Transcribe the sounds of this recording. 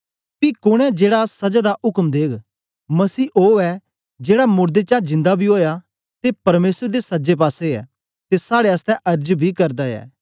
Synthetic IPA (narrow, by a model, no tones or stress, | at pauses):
kikʊɽ̃ɛd͡ʒeːɽasɐd͡ʒad̪aʔʊkmd̪eːɡ | mɐsiːʔoːɛ | d͡ʒeːɽamʊɾd̪et͡ʃãːd͡ʒɪ̃nd̪abʱiɦoːja | t̪epɐɾmeːsəɾd̪esɐd͡ʒep̬aːseɛ̰ː | t̪esaːɽeəst̪ɛ̃ʔɐɾd͡ʒbʱikɐɾd̪aɛ̰ː